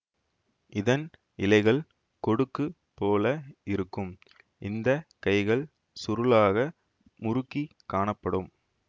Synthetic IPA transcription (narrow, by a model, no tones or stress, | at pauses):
ʔɪðɐn | ɪlɐɪɣɐɭ | kɔɽɯkːɯ | pːoːlɐɪɾɯkːɯm | ʔɪnd̪ɐkɐɪɣɐɭ | sʊɾɯlaːɣɐ | mʊɾʊkːikːaːɳɐpːɐɽɯm